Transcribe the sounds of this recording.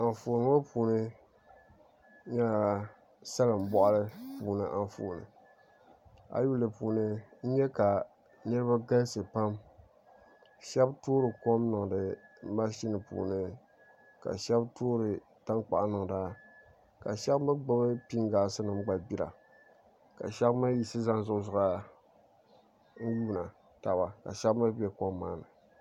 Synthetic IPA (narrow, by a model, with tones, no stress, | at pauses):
a˨ɱfoː˨nɨ˦ŋo˦puː˨nɨ˦ | ɲɛ˦la˨ | sa˦lɨ˨m̩˨˦bɔ˦ʔa˦lɨ˦puː˨nɨ˨ʔa˨fo̰ː˨nɨ̰˨ | a̰˦ju˦lɨ˨puː˨nɨ˦n̩˦ɲɛ˦ka˨ | nɨ˦ɾɨ˦ba˦ɡa˦n˦sɨ˨pa˦m | ʃɛ˦btoː˦ɾɨ˨ko˦mnɨ˨ŋ˨dɨ˨ma˦ʃi˦nɨ˨pṵː˨nɨ˦ | ka̰˨ʃɛ˦btoː˦ɾɨ˨ | ta˦ŋk͡pa̰˨ʔnɨ˨ŋ˨da˦ | ka˨ʃɛ˦bmɨ˦ɡ͡ba˦bɨ˦pi˦ŋɡaː˨sɨ˦nɨ˨m̩˦ɡ͡ba˨bi˦ɾa̰˨ | ka̰˨ʃɛ˦bma˦ji˨sɨ˦za˦n˦zʊ˦ʔzʊ˨ɣa˦ | n̩˦juː˦na˨ | ta˨ba˨ka̰˨ʃɛ˦bma˦bɛ˦ko˦mːaː˦nɨ˨